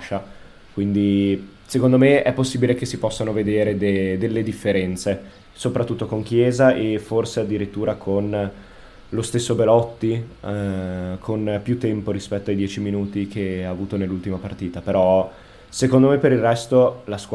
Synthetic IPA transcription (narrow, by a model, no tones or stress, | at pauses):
ʃa | kwind̪i | sekond̪omeɛpːosːiːbilek̟esːipɔsːanoved̪eːɾed̪ed̪elːed̪ifːeɾɛnt̪se | sopɾat̪ːut̪ːokoŋk̟jeːzaeforsead̪ːiɾit̪ːuːɾakʰon | lost̪esːobelɔt̪ːi | kʰonpjut̪ːɛmpoɾispɛt̪ːoajd̪jɛːt͡ʃiminuːt̪ik̟eaːvuːt̪onelːult̪imapart̪iːt̪apeɾɔ | sekond̪omepːeɾirrɛst̪olask